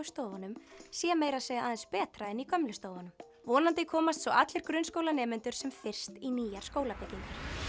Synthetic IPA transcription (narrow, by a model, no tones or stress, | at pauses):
st̪oːwvanʏmsjɛmejɾaseːjɣaaːðɛnspɛːt̪ɾaɛnikʰœmlʏst̪oːwvanʏm | vɔːnant̪ɪkʰɔːmast̪sɔʔat̪lɪɾ̥kɾʏnskoːwlanɛːmɪnt̪ʏɾ̥sɛmfɪr̥st̪iniːjaɾ̥skoːwlapɪcːiŋkaɾ̥